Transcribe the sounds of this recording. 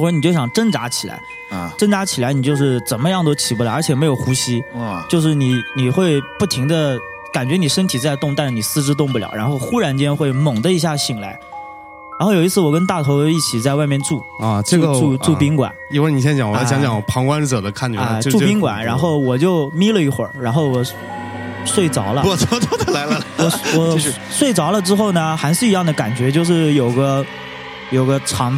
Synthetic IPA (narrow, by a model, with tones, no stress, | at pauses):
wɔ˧˥n˨˩t͡ɕjo˥˩ʊɕjɑ˨˩ŋʈ͡ʂə˥nʈ͡ʂa˧˥t͡ɕʰi˨˩la̰˧˥ɪ | ʈ͡ʂə˥ŋʈ͡ʂa˧˥t͡ɕʰi˨˩la˧˥ɪni˨˩t͡ɕjo˥˧ʊʂɻ̩˥˩ʈ͡ʂə˨˩nmə˦jɑ˥˩˧ŋd̪ə˧˩t͡ɕʰi˨˩pu˥˩la˧˥ə˞˧˥t͡ɕʰjɛ˨˩me˧˥ɪjo˨˩ʊxu˧˥ɕi˥t͡ɕjo˥˧ʊʂɻ̩˥˩ni˨˧˥ni˨˩xwe˥˧ɪpu˥˩t̪ʰi˧˥ŋd̪ə˧ | ka˨˩nt͡ɕɥɛ˧˥ni˨˩ʂə˥nt̪ʰi˨˩t͡sa˥˧ɪt̪ʊ˥˧ŋt̪a˥˧nʂ̩˥˩ni˨˩sɹ̩˥˧ʈ͡ʂɻ̩˥t̪ʊ˥˧ŋp̬u˥˩ljɑ̰˨˩ʊɻa˧˥nxo˥˧ʊxu˥ɻa˧˥nt͡ɕjɛ˥nxwe˥˩ɪmɤ˨˩ŋd̪ə˦i˧˥ɕ̬ja˥˩ɕi˨˩ŋla˧˥ɪ | ɻa˧˥nxjo˨˩ʊi˧˥t͡sʰɹ̩˥˩wɔ˨˩kə˥nt̪a˥˩t̪ʰo˧˥ʊ˧i˥˩t͡ɕʰi˨˩t͡sa˥˧ɪwa˥˧ɪmjɛ˥˧nʈ͡ʂu˥˩˧ʈ͡ʂɤ˥˧u˧ɡʈ͡ʂu˥˧ʈ͡ʂu˥˧pi˥ŋkwa̰˨˦ni˥˧we˥˩ni˨˩jɛ˥t͡ɕɑ˨˩ŋwɔ˧˥˩ɕjɑ˥ŋt͡ɕjɑ˨˩ŋpʰɑ˧˥ŋkwa˥nʈ͡ʂɤ˨˩d̪ə˦kʰa˥˩nt͡ɕy˧˥˧ʈ͡ʂu˥˧pi˥ŋkwa̰˨˩˦nɻa˧˥nxo˥˩ʊwɔ˨˩t͡ɕjo˥˩˧ʊmi˥lə˨i˧˥˩xwə̰˞˨˩˦ɻa˧˥nxo˥˩ʊwɔ˨˩ | swe˥˩ɪt͡sɑ˨˧˥ʊlə˧˨˩ɔ˥t̪wɔ˥d̪ə˧la˧˥ɪlwɔ˨˩wɔ˨˩ | swe˥˩ɪt͡sɑ˧˥ʊlə˧ʈ͡ʂɻ̩˥xo˥˩ʊnə˩xa˧˥ɪʂɻ̩˥˩i˧˥jɑ˥˩ŋd̪ə˩ka˨˩nt͡ɕɥɛ˧˥t͡ɕjo˥˧ʊʂ̬ɻ̩˥˩jo˨˩ʊɡə˦ | jo˨˩ʊɡə˦ʈ͡ʂʰɑ˧˥ŋ